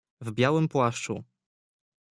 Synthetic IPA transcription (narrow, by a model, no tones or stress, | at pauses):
vbʲjawɘmpwaʂt͡ʂṵ